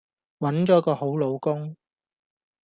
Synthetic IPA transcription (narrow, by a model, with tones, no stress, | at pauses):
wɐ˨˥nt͡ʃɔː˨˥kɔː˧ho˨˥wlo˨˧wkʊ˥ŋ